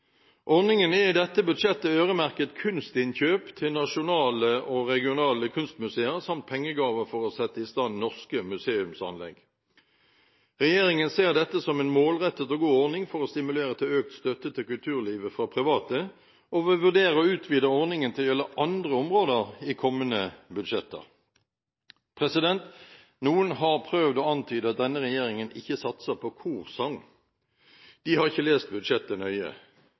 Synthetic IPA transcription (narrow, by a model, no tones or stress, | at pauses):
ʔɔʁnɪŋənæʁɪd̪ɛt̪ːəbʉd̪ʂɛt̪ːəøːʁəmæʁkət̪kʰʉnst̪ɪnçøːpt̪ʰɪlnɑʂʊnɑːləʔɔʁɛɡɪʊnɑːləkʰʉnst̪mʉseːəʁsɑmt̪̚pʰɛŋːəɡɑːʋəfɔʁɔsɛt̪ːəɪst̪ɑnnɔʁskəmʉseːʉmsɑ̰nlɛ̰ɡ | ʁɛjeːʁɪŋənseːʁd̪ɛt̪ːəsɔmɛnmoːlʁɛt̪ːət̪oɡuːɔʁnɪŋfɔʁɔst̪ɪmʉleːʁət̪ʰɪløːk̚t̪st̪œt̪ːət̪ʰɪlkʉlt̪ʰʉːʁliːʋəfʁɑpʰʁɪʋɑːt̪ə | ɔʋɪʋʉʁd̪eːʁəɔʉːt̪ʰʋiːd̪əɔʁnɪŋənt̪ʰɪljɛləʔɑnd̪ʁəɔmʁoːd̪əʁiːkʰɔmːənəbʉd̪ʂɛt̪ːə̰ʁ | pʰʁɛsɪd̪ɛnt̪ | nuːənɦɑʁpʰʁøːʋd̪oːɑnt̪ʰyːd̪əɑt̪̚d̪ɛnːəʁɛjeːʁɪŋənɪçːəsɑt̪səpʰɔkʰuːʁsɑŋ | d̪̥ɪhɑʁɪçːəleːst̪̚bʉd̪ʂɛt̪ːənœʏə̰